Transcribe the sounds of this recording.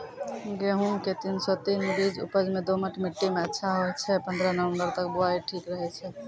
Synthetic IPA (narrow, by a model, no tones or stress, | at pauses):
ɡeɦumket̪insɔt̪inbid͡ʒṵpəd͡ʒmed̪oməʈʰmiʈːimeətːʃʰaɦoɛt͡ʃʰɛpə̃nd̪ɾənəʋə̃mbəɾt̪ək̚buaiʈʰikɾəɦɛt͡ʃʰɛ